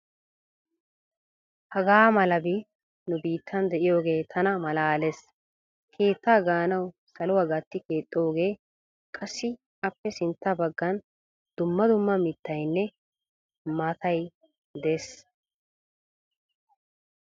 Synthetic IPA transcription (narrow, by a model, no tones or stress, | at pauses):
hɐɡaːmɐlɐbi | nʊbiːt̪ːɐnd̪ɛʔɪjo̞ːɡe̞ːt̪ʰɐnɐmɐlaːles | kʰe̞ːt̪ːaːɡaːnɐw | sɐlʊwɐɡɐt̪ːɪke̞ːt̪ʼːoːɡe̞ː | kʼɐsːɪ | ɐpːɛsɪnt̪ːabɐɡːɐn | d̪̥ʊmːɐd̪ʊmːɐmɪt̪ːɐjnːɛ | maːt̪ɐj | d̪eːs